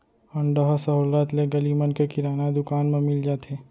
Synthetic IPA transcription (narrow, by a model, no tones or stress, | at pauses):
ɐ̃ɳɖəɦasəɦuːlət̪leɡɐlimɐnkekɪɾaːnad̪ʊkaːnmẽmɪld͡ʒaːt̪ʰeː